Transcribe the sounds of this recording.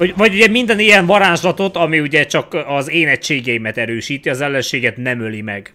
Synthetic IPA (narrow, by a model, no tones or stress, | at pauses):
vɒɟuɟɛmind̪ɛnijɛɱvɒɾaːʒlɒt̪o̞t̪ɒmiuɟɛt͡ʃɒkɒzeːnɛct͡ʃːeːɡɛjimɛt̪ɛɾøːʃiːt̪iɒzɛlːɛnʃeːɡɛt̪nɛmølimɛɡ